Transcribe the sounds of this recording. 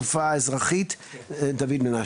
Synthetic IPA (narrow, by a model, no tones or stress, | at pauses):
ufaɪzʁaχit | daviːdmɪna